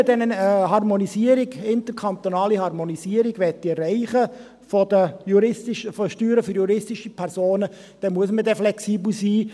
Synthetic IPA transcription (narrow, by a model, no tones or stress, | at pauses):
dɛnənɦɑrmonisiəɾiɡɪnt̪əɾkʰɑnt̪onɑːlihɑɾmonisiəɾiɡʋɛt̚d̥iɛrɛɪχə | fɔdəjuɾɪstɪʃəfɔʃtyːɾəfʏɾjuɾɪstɪʃipʰɛɾsoːnə | d̥ɛmuəsmədɛflɛksiːbl̩siː